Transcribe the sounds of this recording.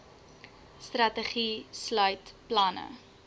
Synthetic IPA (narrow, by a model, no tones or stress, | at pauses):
strɐtəχislœɥtplɐnə̰